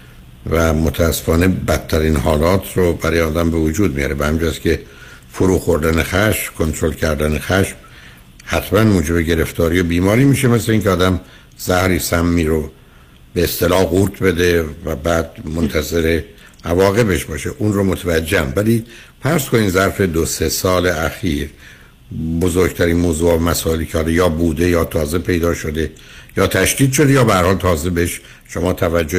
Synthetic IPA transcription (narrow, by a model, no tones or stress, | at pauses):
væmot̪ʰæːsːe̥fɒːne̞bæt̪ʰːæɾiːnɦɒːlɒːt̪ʰɾobæɾɒːjeɒːd̪æmbe̞vod͡ʒuːd̪̚mijɒ̰ːɾebehæmind͡ʒjæskcʲe̞ | foɾuːxo̞ɾd̪ænexæʃmkʰo̞nt̪ʰɾo̞lcʰæɾd̪ænexæʃm | hæt̪ʰmænmuːd͡ʒe̞be̞ɟe̞ɾe̞ft̪ʰɒːɾiːjobiːmɒːɾiːmiːʃe̞mesleiŋcʰʲeɒːd̪æm | z̥æhɾiːsæmːiːɾo | beːst̪e̞lɒːhɣuːɾt̪ʰbe̞d̪e̞væbæːd̪̚mont̪ʰæze̞ɾe̞ | ʔævɒːɣe̞be̞ʃbɒːʃeʔuːnromot̪ʰævæd͡ʒːehæmvæliː | fæɾskʰo̞niːmzæɾfe̞d̪ose̞sɒːle̞æxiːɾ | bozoɾɡt̪ʰæɾiːnmoːzuːɑmæsɒːe̞liːcʰehɒːdejɒːbuːd̪e̞jɒːt̪ʰɒːze̞pʰe̞jd̪ɒːʃo̞d̪e̞ | jɒːt̪ʰæʃd̪iːd̪ʃo̞d̪ejɒːbehæɾhɒːlt̪ʰɒːze̞beeʃ | ʃomɒːt̪ʰævæd͡ʒːo